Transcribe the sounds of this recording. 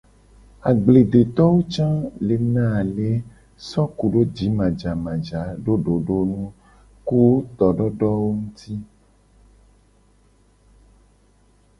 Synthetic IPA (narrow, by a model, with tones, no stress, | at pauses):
a˨ɡ͡ble˨d̪e˨t̪ɔ˦wo˦t͡ʃã˦le˨nã˦˨le˦ | sɔ˦ku˨ɖo˦d͡ʒi˨˦mã˨d͡ʒa˨mã˨d͡ʒa˨˦ɖo˦ɖo˨ɖo˦nũ˦ | ku˦t̪ɔ˨ɖɔ˦ɖɔ˦wo˦ŋũ˦t̪i˦